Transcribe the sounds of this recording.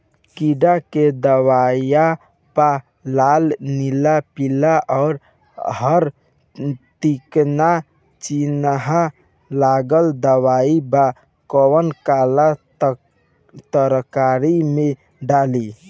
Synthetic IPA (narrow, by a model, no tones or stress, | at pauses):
kiɖaked̪əwaja | pa | lalnilapilaʔɔʊɾ | ɦəɾ | t̪ikna | t͡ʃinɦa | laɡəld̪əwaiba | kɔwənkala | t̪əɾkaɾime | ɖali